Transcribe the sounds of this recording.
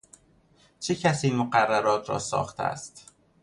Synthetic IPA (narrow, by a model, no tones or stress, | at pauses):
t͡ʃʰecʰæsiːmoɢærːæɾɒːt̪ʰɾɒ̰ːsɒ̰ːxt̪ʰeæ̰st̪